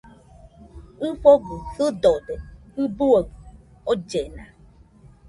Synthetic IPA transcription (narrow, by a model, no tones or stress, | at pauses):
foɡusɨdɔdeɨbuoɡ | od͡ʒena̰